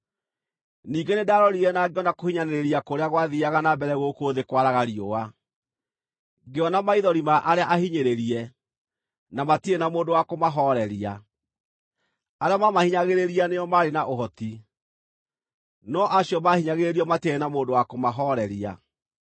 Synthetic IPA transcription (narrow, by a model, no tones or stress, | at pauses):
niːɡenedaɾɔɾiɾɛnaɡeɔnakohiɲaneɾeɾiakoɾeaɣwaðiaɣanabɛɾɛɣokoːðekwaɾaɣaɾioa | ɡeɔnamaiðɔɾimaʔaɾeaʔahiɲeɾeɾiɛ | namatienamoːndowakomaɦɔɾɛɾia | aɾeamamahiɲaɣeɾeɾianeɔmaːɾenaʔoɦɔti | nɔʔaɕiɔmahiɲaɣeɾeɾiɔmateɛnamoːndowakomaɦɔɾɛɾia̰